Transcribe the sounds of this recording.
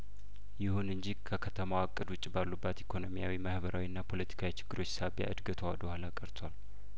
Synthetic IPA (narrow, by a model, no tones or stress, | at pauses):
jɪhunɨɲd͡ʒikʰəkʰət̪ʰəmawakʼːɨd̪wʊt͡ʃʼːibalːubːat̪ikʰo̞no̞mijawimahbəɾʔawiɨnːapʰo̞lət̪ʰi̥kʰawit͡ʃʰɪ̥ɡːɨɾo̞t͡ʃːsabja̰ʔɨd̪ɡət̪ʰowad̪əhalakʼəɾt̪ʰwal